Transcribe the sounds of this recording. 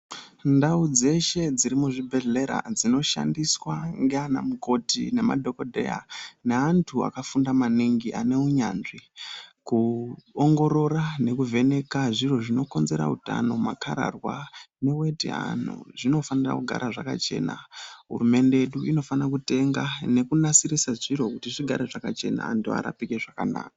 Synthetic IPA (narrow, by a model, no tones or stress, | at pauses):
ndaud͡ze̞ʃe̞d͡ziɾimuʐibʱe̞ɮe̞ɾa̰d͡zino̞ʃa̰ndiswaŋɡeana̰muko̞tḭne̞ma̰dʱo̞ko̞dʱe̞̰ja̰ne̞antʰua̰kafundamaniŋɡiʔane̞uɲa̰ːnʐikuoŋɡo̞ɾo̞ɾane̞kuve̞ne̞kaʐiro̞ʐino̞ko̞nze̞ɾa̰uta̰no̞makaɾa̰rwane̞we̞tḛa̰nṵʐino̞fanira̰kuɡʱa̰ɾaʐaka̰t͡ʃe̞̰ːna̰ɦṵrume̞ndejeɗuʔino̞fanak̬ute̞ŋɡane̞kunasiɾisaʐiɾo̞kutiʐiɡʱaɾeʐakat͡ʃe̞na̰ːntua̰ɾa̰pikeʐakana̰ːkḁ